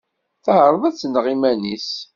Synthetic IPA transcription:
θəhəɾˤðæt͡sːənʁimænḭs

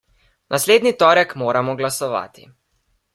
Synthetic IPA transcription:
nʔasleːd̪nit̪ɔːɾɛkmoːɾamɔɡlasɔʋa̰ːt̪ḭ

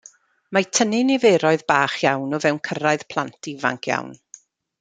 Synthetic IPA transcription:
matʰənɪniveːɾɔɨðbaːχjawnɔvɛwnkʰəɾaɨð̥pʰlˠantʰiva̰ŋkʰja̰wn

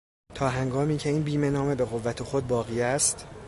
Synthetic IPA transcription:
t̪ʰɒːɦæŋɡɒːmiːcʰe̞iːnbiːme̞nɒːme̞be̞ɣo̞vːæt̪ʰexo̞d̪̚bɒːɣiːæst̪

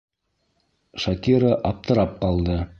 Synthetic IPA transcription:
ʃakʲiɾəʔɑp̚t̪ɤ̆ɾɑp̚qɑlˠd̪ɤ

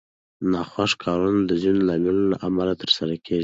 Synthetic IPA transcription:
nɑxwaʂkʰɑɾund̪əzinolɑmilola̰ʔamalat̪əɾsaɾakʰeʒi

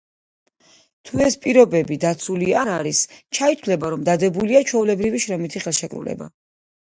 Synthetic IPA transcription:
t̪ʰuɛspʼiɾɔbɛbid̪at̪sʰuliaaɾist͡ʃʰait̪ʰwlɛbaɾɔmd̪ad̪ɛbuliat͡ʃʰɛulɛbɾiviʃɾɛmit̪ʰiχɛlˠʃɛkʼɾṵlɛ̰ba̰

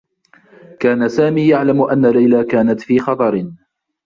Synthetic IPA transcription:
kaːnasaːmiːjaʕlamʔanːalajlaːkaːnat̪fiːxɑt̪ˤɑɾɪ

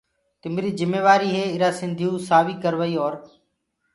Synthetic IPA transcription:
t̪ɪmɾiːzɪmːeːʋaːɾiːɦeːɪɾaːsɪ̃nd̪ʱijũːsaːʋiːkəɾʋəiːɔːɾ

